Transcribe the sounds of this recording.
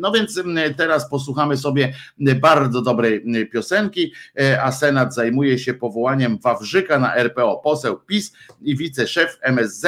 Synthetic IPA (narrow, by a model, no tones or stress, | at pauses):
nɔvʲjɛnt̪st̪ɛɾaspɔs̬wuxamɘsɔbʲjɛbaɾd̪zɔd̪ɔbɾɛjpʲjɔsɛŋkʲiasɛnad̪zajmujɛɕɛpɔvɔwaɲɛmvavʐɘkana̰ʔɛɾpɛɔpɔsɛwpʲisivʲit̪sɛʂɛfɛmɛzːɛ